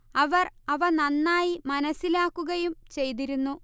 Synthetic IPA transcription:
ɐʋɐrɐʋɐnɐnːaːjimɐnɐsːilaːkːuɣɐjumt͡ɕe̞jt̪̬iɾunːu

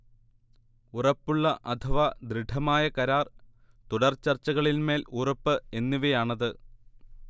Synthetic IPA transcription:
urɐpːuɭːɐʔɐt̪ʰɐʋad̪ɾiɖʰʱɐmaːjɐkɐɾaːr | t̪uɽɐrt͡ɕɐrt͡ɕːɐɣɐɭilme̞ːlurɐpːɨe̞nːuʋejaːɳɐðɨ

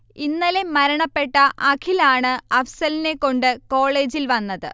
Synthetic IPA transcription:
inːɐle̞mɐɾɐɳɐpːe̞ʈːɐʔɐkʰilaːɳɨɐfsɐline̞kːo̞ɳɖɨko̞ːɭe̞ːd͡ʑilʋɐnːɐðɨ̰

